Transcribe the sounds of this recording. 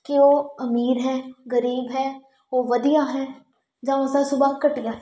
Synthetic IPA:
kɪoːəmiːɾɦɛːɡəɾiːbɦɛː | oːʋəd̪ijaːɦɛː | d͡ʒãːosãːsʊbaːkəʈijaː

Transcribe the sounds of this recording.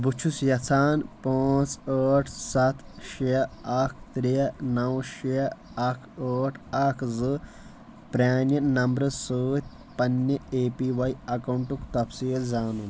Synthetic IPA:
but͡ʃʰusjɐt͡sʰaːnpaːt͡səːʈʰsɐt̪ʰʃijɐɐkʰt̪ɾijɐnɐwʃijɐ | ɐkʰəːʈʰɐkʰzɨ | pɾʲaːnjɐnɐmbɾɐsəːt̪̚ʲʰ | pɐnːɐeːpiːʋɐjɐkɐwɳʈukt̪ɐpsiːlzaːnun

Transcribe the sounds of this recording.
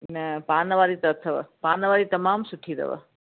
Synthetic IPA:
nəpanəʋaɾit̪ɐət̪ʰəʋə̰panəʋaɾit̪əmamsuʈʰid̪ə̰ʋə̰

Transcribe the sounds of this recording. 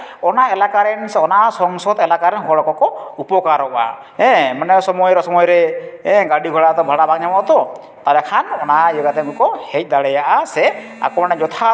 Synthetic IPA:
ɔnaɛlakaɾɛnɔnasɔŋsɔd̪ɛlakaɾɛnɦɔɽɔkɔkɔupɔkaɾɔʔa̰ | ɛ̃manɛsɔmɔjɾɔsɔmɔjɾɛɛ̃ɡaɽiɡʱɔɽat̪ɔbʱaɽabak̚ɲamɔʔt̪ɔ | t̪alɛkʰanɔnaiɔɡat̪ɛɡukɔhɛc̚ˀd̪aɽɛjaʔasɛ | a̰kɔmanɛd͡ʒɔt̪ʰa

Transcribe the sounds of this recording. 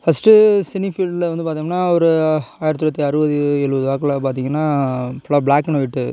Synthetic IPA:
fɐsʈɯsɪnifiːɭɖlʋɐnd̪ɯpaːɾt̪iːŋɡɐnːaːɐɾɯaːjɪɾɐt̪ːɯɾɐt̪ːiɐɾɯbɐðɯɛɭɯʋɐðɯʋaːkːɐɭap̬aːɾt̪iːŋɡɐnːaːpɐɭːabɭaːkːɐnɔɪʈːɯ

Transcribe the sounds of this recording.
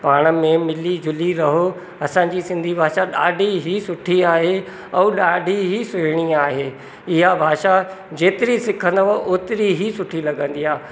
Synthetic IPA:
paːɽ̃ə̆mẽmɪlid͡ʑʱʊliɾɐɦo | ɐsãːɲ̆d͡ʑisɪ̃nd̪ʱibʱaːʃaɗaːɖʱiɦisʊʈʰiaːɦe | ɛ̃ːɗaːɖʱiɦisʊɦɪɽ̃iaːɦeː | ɪɦabʱaːʃa | d͡ʑeːt̪ɪɾisɪkʰə̃nd̪əʋəʔoːt̪ɪɾiɦisʊʈʰilɐɠə̃nd̪iːaː

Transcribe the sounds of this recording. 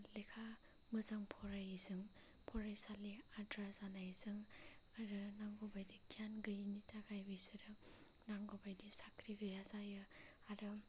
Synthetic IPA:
lekʰa | mɯzaŋpʰɔɾajizɯŋ | pʰɔɾajsaliadɾazanajzɯŋaɾɯnaŋɡɔbajdiɡʰjanɡɯjnitʰakʰajbɯjsɯɾɯ | naŋɡobajdisakʰɾiɡɯjazajɯ | aɾɯ

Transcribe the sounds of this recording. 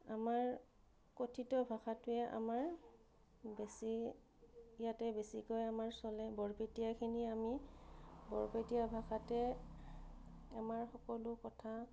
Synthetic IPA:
amaɹ | kotʰitɔbʱaxatʊɛʔa̰maɹ | besi | ijatɛbesikɔjamaɹsɔlɛbɔɹpetijakʰiniami | bɔɹpetijabʱaxatɛ | amaɹxɔkɔlʊkɔtʰa

